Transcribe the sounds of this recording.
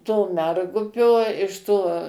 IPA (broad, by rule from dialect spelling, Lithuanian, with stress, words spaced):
toː ˈmʲɛrɡʊpʲoː ɪʃ ˈtoː